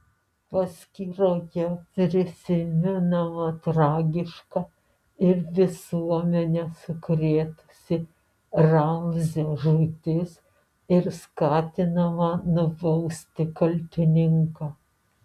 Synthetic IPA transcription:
pɐsʲkʲiɾoːjɛpʲɾʲɪsʲɪmʲɛnɐmɐt̪ɾɑːɡʲɪʃkɑ | ɪɾʋʲɪsuɔmʲɛnʲɛsʊkɾʲeːt̪ʊ̥sʲɪ | rɐmzʲeʒʊt̪ʲɪs | ɪɾskɑːt̪ʲɪnɐmɐnʊbɐʊsʲt̪ʲɪkɐlʲt̪ʲɪnʲɪŋkɑː

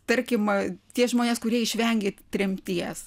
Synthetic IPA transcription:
t̪ɐɾʲkʲɪmt̪ʲiɛsʒmoːnʲeːskʊɾʲiɛɪʃʲʋʲɛŋʲɡʲet̪ʲɾʲɛmʲt̪ʲiɛs

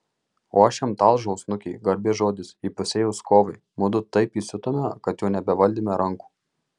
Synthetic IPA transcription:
oːɐʃʲɛmt̪ɑːˑlˠʒɔʊsnʊkʲɛɪɡɐɾʲbʲeʒoːd̪ʲɪsiːpʊsʲeːjɛʊskoːʋɐɪmʊd̪ʊt̪ɐɪpiːsʲɪt̪oːmʲɛkɐt̪juːnʲɛbʲɛʋɐlʲd̪ʲiːmʲɛɾɐŋˑku̥ː

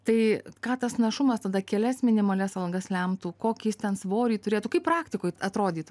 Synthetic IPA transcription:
t̪ɐɪkɑːt̪ɐsnɐʃʊmɐst̪ɐd̪ɐkʲɛlʲɛsmʲɪnʲɪmɐlʲɛsɐlˠɡɐslʲɛmt̪uːkoːkʲjɪst̪ʲɛnsʋoːɾʲiːt̪ʊɾʲeːt̪ukɐɪpprɑːkt̪ʲɪkoːjɐt̪ɾoːd̪ʲiːt̪u

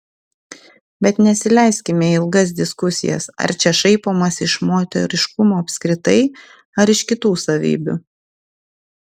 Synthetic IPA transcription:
bʲɛt̪nʲɛsʲɪlʲɛˑɪsʲkʲɪmʲɛɪlˠɡɐs̬d̪ʲɪskʊsʲɪ̰jɛ̰sɐ̰ɾt͡ʃʲɛʃɐɪpoːmɐsɪʃmoːt̪ʲɛ̰ɾʲɪʃkʊmoːɐpʲsʲkɾʲɪt̪ɐɪ | ɐɾɪʃkʲɪt̪uːsɐʋʲḭːbʲʊ̰ː

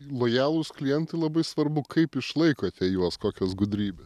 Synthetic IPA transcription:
lˠoːjæːlˠuːsklʲijɛnt̪ɐɪlˠɐbɐɪsʋɐɾbʊkʰɐɪpɪʃlˠɐɪkoːɐt̪ʲɛjuɔskoːkʲɛsɡʊd̪ʲɾʲiːbʲɛs

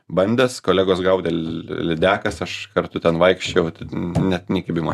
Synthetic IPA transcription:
bɐnʲd̪ʲɛskoːlʲæːɡoːsɡɐʊd̪ʲɛllʲɪd̪ʲæːkɐsɐʃkɐrt̪ʊt̪ʲɛnʋɐɪkʃʲt͡ʃʲɛʊt̪nʲɛtnʲɪkɐpʲɪmoː

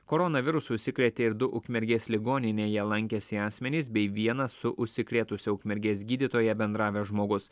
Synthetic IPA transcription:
koːɾɔnɐʋʲɪɾʊsʊʃʲsʲɪkɾʲɛt̪ʲeːɪɾd̪ʊʔʊkʲmʲɛɾʲɡʲeːslʲɪɡoːnʲɪnʲeːjɛlˠɐŋʲkʲɛsʲɪɑːsʲmʲɛnʲiːsbʲɛɪʋʲiɛnɐssʊʔʊʃʲsʲɪkɾʲeːt̪ʊsʲɛʊkʲmʲɛɾʲɡʲeːsɡʲiːd̪ʲɪt̪oːjɛbʲɛnd̪ɾɑːʋʲɛʒmoːɡʊs

